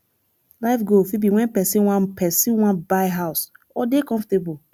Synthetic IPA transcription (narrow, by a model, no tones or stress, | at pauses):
laɪfɡofibiwɛ̃npɛsĩnwãnpʰɛsĩnwãnbaɪɦaʊs | ɔdekɔ̃ɱftebu